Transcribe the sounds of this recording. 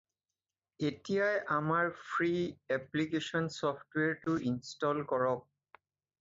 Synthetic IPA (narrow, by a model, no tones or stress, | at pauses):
etijajʔamaɹpʰɹiɛplikesɔnsɔpʰtweɹtuʔinstɔlkɔɹɔk̚